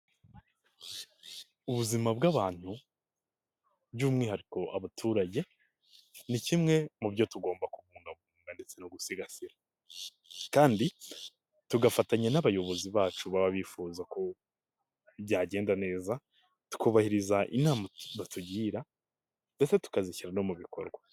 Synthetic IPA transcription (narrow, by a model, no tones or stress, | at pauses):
uβuzimabɡaβaːn̥hu | bɟuːmŋehaɾiko̞ʔa̰βatʰuːɾaɟe̞ | nicimŋe̞mubɟo̞tuɡo̞ːmbakuβuːŋɡaβuːŋɡande̞t͡se̞noɡusiɡasiɾa | kaːndi | tuɡafataɲenaβajo̞βo̞ziβaːt͡ʃuβaβaβifuːzako̞ | bjaːɟe̞ːndane̞ːza | tu̥kuβahiɾizaʔḭnaːmaβatuɟiːɾa | nde̞se̞tu̥kaziçiɾano̞muβiko̞̰ɾɡwa